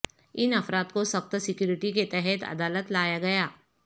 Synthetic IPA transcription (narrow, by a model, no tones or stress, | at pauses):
ɪnɐfɾaːt̪kosɐxt̪sɪkjuːɾɪʈiket̪ɛɦɛt̪ɐ̰d̪aːlət̪laːjaɡɐjaː